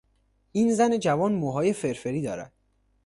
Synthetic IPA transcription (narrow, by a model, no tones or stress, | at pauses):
ʔiːnzæne̞d͡ʒævɒːnmoɦɒːje̞fe̞ɾfe̞ɾiːd̪ɒːɾæ̰d̪̥̚